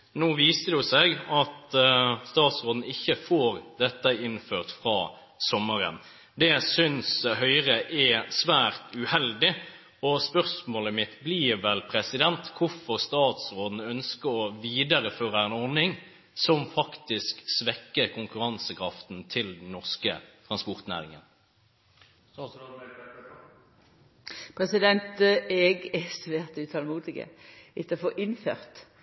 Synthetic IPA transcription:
noːʋiːst̪əd̪ʉsɛɡɑt̪st̪ɑːt̪sʁoːd̪n̩ɪçːəfoːɾd̪ɛt̪ːəɪnføːʁt̪fɾɑː | sɔmːəɾə̰n | d̪ɛsʏnshœʏɾəʔɛsʋæːʁt̪ʉhɛld̪ɪ | ɔspœʁsmoːləmɪt̪ːbliːɾʋɛlpʰɾɛsɪd̪ɛnt̪kʰʊfɔʁst̪ɑːt̪sɾoːd̪n̩œnskəɾɔʋiːd̪əɾəføːʁəɛnɔʁnɪŋ | sɔmfɑkt̪ɪsksʋɛkːəʁkʰʊŋkʉʁɑnsəkʰɾɑft̪n̩t̪ʰɪld̪ɛn̩ːɔʁskə̰t̪ʰʁɑnspɔʁt̪næ̰ːʁɪŋə̰n | pʰɾɛsɪd̪ɛnt̪ɛɡɛst̪ʉeːʁt̪ʉːt̪ʰɑlmuːt̪ɪkə̰ɪt̪ːəfɔʔɪnfø̰ːʁt̪

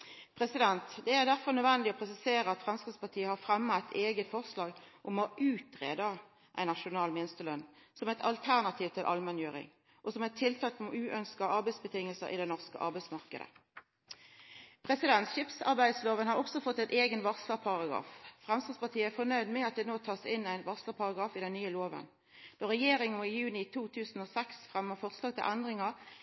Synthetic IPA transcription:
pʰʁɛsɪd̪ɛnt̪d̪ɛæʁd̪æʁfɔʁnœʋɛnd̪ɪɔpʰʁɛsɪseːɾəɑt̪fʁɛmskəspɑt̪ʰiːəhɑʁfʁɛmːəæɪt̪ʰeːɡət̪fɔʁslɑːɡʔʊmɔʔʉːt̪ʁḛːd̪ɑ | ʔæ̰ɪnɑʂʊnɑːlmɪnəst̪əlœnːsɔmæɪt̪ɑ̰lt̪ʰæʁnɑt̪ʰiːʋt̪ʰɪlʔɑ̰lmɛnjøːʁɪ̰ŋ | ʔɔsɔmæt̪ʰːɪlt̪ʰɑːlt̪mʉːʔœnskɑʔɑɾbæɪsbət̪ʰɪŋːəlsə̰ɾʔɪ̰d̪ɛnɔʁskə̰ʔɑ̰ɾbæɪsmɑʁkə̰d̪ə̰ | pʰʁɛsɪd̪ɛnt̪ʃɪːpsɑ̰ʁbæɪd̪sloːʋənhɑʁɔksɔfɔt̪ːæɪt̪eːɡənʋɑʁsləpʰɑʁɑɡʁɑ̰ːffʁɛmst̪ɑspɑt̪ʰiːəæfɔnœʏd̪mɛɑt̪̚d̪ɛːnoːt̪ʰɑːsɪnæɪnʋɑsləpʰɑʁɑɡɑːfɪd̪ɛnnyːəloːʋə̰n | d̪̥oːʁɛjeːɾɪŋɪjʉːnɪt̪ʰuːt̪ʰʉːsn̩ɔsɛksfʁɛmːəʁfɔʁslɑːɡ̚t̪ʰɪ̰lʔænd̪ʁɪŋə

